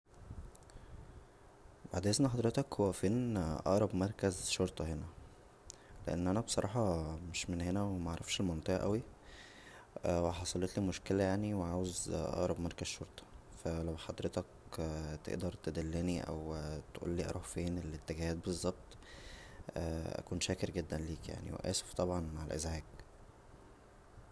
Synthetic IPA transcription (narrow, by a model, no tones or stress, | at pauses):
baʕd̪ʔeznæħɑd̪ˤɾet̪ɑkhowːæfeːnʔɑ̰ʔɾˤɑbmɑɾˤkæzʃoɾˤt̪ˤɑhenæ | lḛʔenːʔænæbsˤɑɾˤɑːħɑmeʃmenhenæwemæʔaʕɾˤɑfʃelmɑnt̪ˤeʔɑ̰ʔæwi | weħɑsˤɑlet̪limoʃkelæjaʕniweʕaːwezʔɑ̰ʔɾˤɑbmɑɾˤkæzʃoɾt̪ˤɑ̥fælæwħɑd̪ɾet̪ɑkt̪ḛʔd̪ɑɾˤt̪ed̪ælːeniʔæ̰wt̪ʔṵːlːiːʔɑ̰ɾˤɑħfeːnelːet̪ːeɡæhæːt̪̚bezˤːɑb̚t̪ˤ | æʔæ̰kuːnʃæːkeɾɡed̪ːænliːkja̰ʕnḭwḛʔæ̰ːse̥ft̪ˤɑbʕɑnmaʕelʔḛzhæːɡ